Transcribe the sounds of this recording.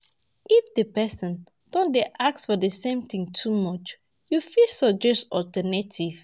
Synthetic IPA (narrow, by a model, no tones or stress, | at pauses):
ʔifdəpɛsɔ̃n | d̥ɔ̃ndeʔaksfɔdəsẽmt̪ĩŋtʰumɔt͡ʃ | jufisɔd͡ʒɛstɔltɛnetʰiv̥